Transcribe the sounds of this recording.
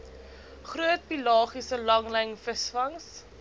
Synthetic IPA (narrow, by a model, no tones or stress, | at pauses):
χruət̚pilɑːχisəlɐŋləŋfəsfɐŋs